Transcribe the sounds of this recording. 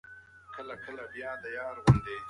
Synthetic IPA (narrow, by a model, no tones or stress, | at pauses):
kəlakəlabjɑːd̪ajɑːɾwʊnd̪eː